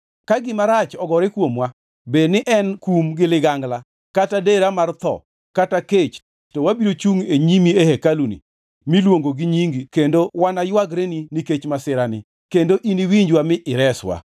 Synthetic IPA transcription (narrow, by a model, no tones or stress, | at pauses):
kaɡɪmaɾat͡ʃɔɡɔɾekwomwa | benɪʔɛnkumɡɪlɪɡaŋɡla | katadeɾamart̪ɔ̰ | kataket͡ʃ | towabiɾot͡ʃuŋeɲimiehekalunḭ | milwoŋɡoɡiɲiŋɡikendowanajwaɡɾeniniket͡ʃmasɪɾanɪ | kendoʔiniwiɲd͡ʒwamɪʔɪɾɛswa̰